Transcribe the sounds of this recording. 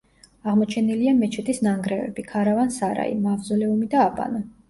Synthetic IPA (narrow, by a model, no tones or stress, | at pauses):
aʁmɔt͡ʃʰɛniliamɛt͡ʃʰɛt̪ʼisnaŋɡɾɛvɛ̰bikʰaɾavansaɾa̰ḭmavzɔlɛumid̪aːpʼa̰nɔ